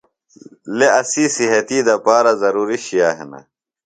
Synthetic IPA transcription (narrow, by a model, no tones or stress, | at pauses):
leɐsiːsiɦɐt̪iːd̪ɐpaːɾɐzɐɾuːɾiɕijaːɦḛnɐ̰